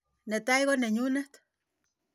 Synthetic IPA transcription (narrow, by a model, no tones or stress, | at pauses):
net̪ajɣoneɲunaht̪